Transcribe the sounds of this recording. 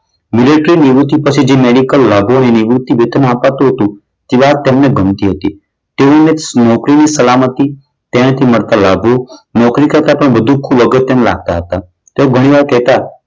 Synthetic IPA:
mɪleʈɾiniʋɾut̪ipət͡ʃʰid͡ʒemeɖikəlːabʱoneniʋɾut̪iʋed̪ʱənapat̪ũɦət̪ũ | t̪iʋat̪emneɡʱəmt̪iɦət̪i | t̪eonenɔkɾinisəlamət̪i | t̪ẽãt̪ʰiməɽt̪alabʱonɔkɾikəɾt̪apəɳbəd̪ʱukʰːubəɡət̪ːjnela̰ɡ̚t̪aɦət̪a | t̪eoɡʱəɽ̃iʋaɾkɛɦt̪a

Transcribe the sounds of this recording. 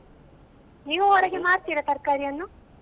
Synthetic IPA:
niːʋuɔɾɐɡemaːɾt̪iːɽɐt̪ɐɾkaːɾijɐnːu

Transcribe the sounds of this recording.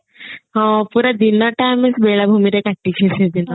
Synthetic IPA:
ɦɔ̃puɾad̪inɔʈajmesbeɭabʱumiɾekaʈːikʰesed̪in

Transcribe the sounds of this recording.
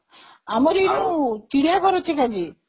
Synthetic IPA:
amɔɾiɾut̪iɽiakɔɾot͡ʃʰikad͡ʒi

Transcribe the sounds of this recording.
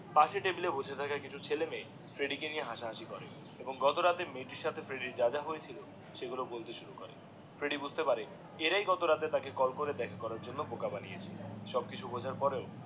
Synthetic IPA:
paʃeʈebilebud͡ʑʱet̪ʰakakit͡ɕʰut͡ɕʰeleme | fɾeɖikenijeɦaʃaɦaʃikɔɾḛ | eboŋɡɔt̪oɾat̪emeʈiɾʃat̪ʰefɾeɖiɾd͡ʑad͡ʑaɦoet͡ɕʰilo | ʃeɡulobolt̪eʃuɾukoɾḛ | fɾeɖibud͡ʑʱt̪epaɾe | eɾajɡɔt̪oɾat̪et̪akekɔlkoɾed̪ɛkʰakɔɾaɾd͡ʑonːobokabanḭjḛt͡ɕʰeʃɔb̚kit͡ɕʰubod͡ʑʱaɾpɔɾeo

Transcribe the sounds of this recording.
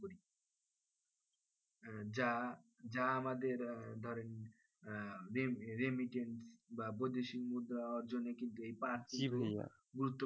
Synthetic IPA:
i | d͡ʑad͡ʑaamad̪eɾd̪ʱɔɾen | ɾeɾemiʈeɳʈsbapod̪eʃimud̪aaɾd͡ʑonːekint̪uejpaɾkiṵ | ɡuɾut̪ːo

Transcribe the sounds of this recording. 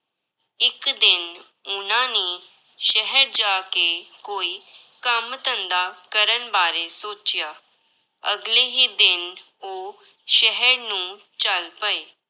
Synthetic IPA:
ɪkd̪ɪn | ʊnãnĩ | ʃɛɦəɾd͡ʒaːkekoːiːkəmt̪ə̃nd̪akəɾənbaːɾesoːt͡ʃɪjaː | əɡleɦid̪ɪn | o | ʃɛɦəɾnũːt͡ʃəlpəeː

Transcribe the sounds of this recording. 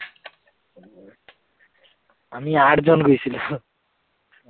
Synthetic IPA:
amiaʈʰd͡zɔnɡojsʰilu

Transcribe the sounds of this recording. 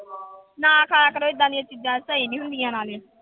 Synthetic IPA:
nãːkʰaːakəɾoːiːd̪aːnijət͡ʃɪd̪jãsəɦiːnĩːɦʊ̃nd̪ijãːnaːlẽː

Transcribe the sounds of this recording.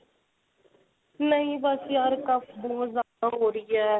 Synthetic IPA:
nəĩːbəsjaɾkəpʰboːzaːd̪aːɦoːɾɪjɛː

